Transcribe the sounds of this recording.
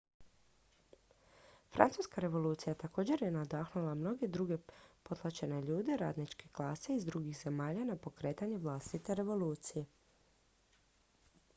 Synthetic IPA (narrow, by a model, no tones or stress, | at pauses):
fɾa̰nt̪suːskaɾe̞ʋo̞luːt̪sijat̪ako̞ːd͡ʑe̞ɾjenad̪aːxnulˠamno̞ɡe̞d̪ɾuɡe̞po̞t̪lˠat͡ʃe̞ne̞ʎuːd̪e̞ɾa̰ːd̪nit͡ʃke̞klˠaːse̞izd̪ɾuɡixze̞maːʎanapo̞kɾe̞ːt̪aɲeʋlˠast̪it̪e̞ɾe̞ʋo̞luːt̪sije̞